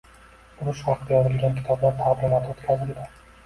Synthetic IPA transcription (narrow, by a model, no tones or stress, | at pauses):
ʊɾʊʃχɑqt̪ajɒzɪlɡʲankʲʰɪ̥t̪ʰɒblaɾt̪ʰablanat̪ʰot̪kʲʰazɪld̪a